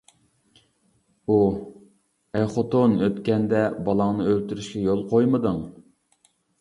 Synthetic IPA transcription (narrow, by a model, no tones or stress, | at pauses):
u | ɛjχot̪onøt̪kʲɛnd̪ɛbɑlˠɑŋnɨølt̪yɾyʃkʲɛjolˠqʰojmɨd̪ɨŋ